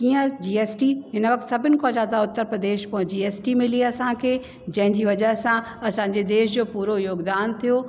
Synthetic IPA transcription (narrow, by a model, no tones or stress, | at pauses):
kiːə̃d͡ʑiːeːsʈiɦɪnʋɐkt̪sɐbʱɪnɪ̆kʰoːd͡ʑaːd̪aʊt̪ːəɾpɾəd̪eːʃpɐ̃ɦɪ̃ɲd͡ʑieːsʈimɪlieɐsãkʰeː | d͡ʑɐ̃ɦɪ̃ɲd͡ʑiːʋɐd͡ʑəɦsã | ɐsãːɲd͡ʑed̪eːʃd͡ʑoːpuːɾojoːɡd̪aːnt̪ʰijoː